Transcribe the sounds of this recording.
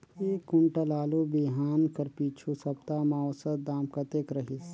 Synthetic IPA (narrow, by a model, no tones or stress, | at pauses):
eːkʊɳʈalaːlubeːɦaːnkəɾpiːt͡ʃʰusɐbt̪aːmaɔːsət̪d̪aːmkɐt̪eːkɾɐɦis